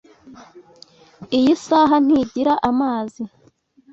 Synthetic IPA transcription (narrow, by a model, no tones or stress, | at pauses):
ijisaːɦan̥hiɟiɾaʔamaːzi